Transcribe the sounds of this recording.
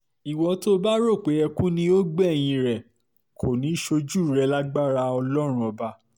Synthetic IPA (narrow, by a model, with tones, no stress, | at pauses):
i˨wɔ˧to˦ba˦ɾo˦˨k͡pe˨˦ɛ˧kũ˦nĩ˧o˦ɡ͡bɛ˦˨j̃ĩ˧ɾɛ˨ | kʰo˨nĩ˨˦ʃo˧d͡ʒu˦˨ɾɛ˧la˦ɡ͡ba˦˨ɾa˧ɔ˧lɔ˦ɾ̃ũ˦ɔ˧ba˧